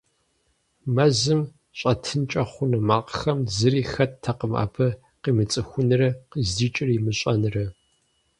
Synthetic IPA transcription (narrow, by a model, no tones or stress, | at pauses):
mɐzɨm | ɕʼɐtʰɨnt͡ʃʼɐχʷʊnɐmaːqəxɐmzɨriːxɐttʰːɐqəma̰ːpʰɐ | qiːmɨt͡sʼɨxʷʊnɨrɐqizdiːt͡ʃʼɪrimɨɕʼɐnɨrɐ